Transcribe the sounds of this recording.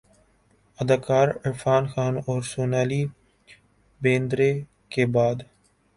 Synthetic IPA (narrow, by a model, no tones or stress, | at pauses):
əd̪aːkaːɾɪɾfaːnxaːnɔːɾsoːnaːliː | bẽːnd̪ɾeː | keːbaːd̪